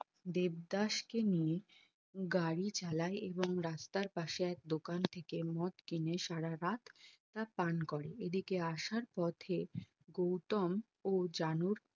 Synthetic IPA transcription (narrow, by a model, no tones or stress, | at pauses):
d̪eb̚d̪aʃkenije | ɡaɽit͡ɕalaeʔeboŋɾast̪aɾpaʃeɛk̚d̪okant̪ʰekemɔt̪kineʃaɽaɾat̪ʰː | apankɔɾeʔed̪ikeaʃaɾpɔt̪ʰe | ɡowt̪om | od͡ʑanuɾ